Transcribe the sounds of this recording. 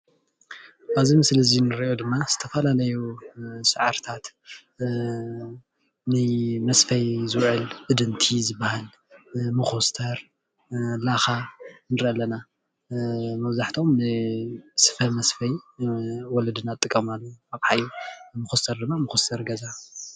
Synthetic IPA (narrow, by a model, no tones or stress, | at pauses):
ʔaβzimɨslɨzinɨɾiʔod̪ɨmːaz̥ɨt̪ʰɐfɐlalɐjusɨʕaɾt̪ʰat̪ | nɨmɐsfɐjzɨwʕɨlbɨd̪ɨnt̪ʰizɨbːahal | mɨxost̪ʰɐɾ | laxanɨɾʔɐlɐna | mɐβzaħt̪ʰo̞mnɨsɨ̥fɐmɐsfɐj | wɔlɐd̪ɨnat̪ʼːɨkʼːɐmalːoaβħajumɨxost̪ʰɐɾd̪ɨmːamɨxost̪ʰɐɾɡɐza